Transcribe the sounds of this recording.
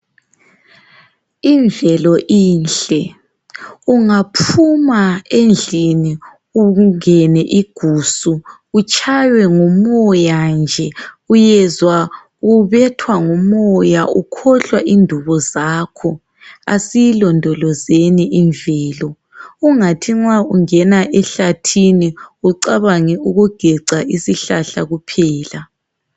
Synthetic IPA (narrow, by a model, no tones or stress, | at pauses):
iɱvʱɛlɔʔiːnɬɛ | uŋapʰumaend͡ɮʱini | uŋɛnɛʔiɡ̥ʱuːsu | ut͡ʃʰʼajwɛŋɔmɔjand͡ʒʱɛ | ujɛzwa | ɣuβɛtʰwaŋɔmɔjaukʰɔɬwaʔindʱuβɔzaːkʰɔ | a̰sijilɔndʱɔlɔzeniʔind͡ɮʱɛːlɔ | uŋatʰiŋ͡ǁwauŋɛnaʔɛɬatʰiniuǀaβaŋɛuɣuɡ̥ʱɛǀaʔisiɬaɬaɣupʰɛːla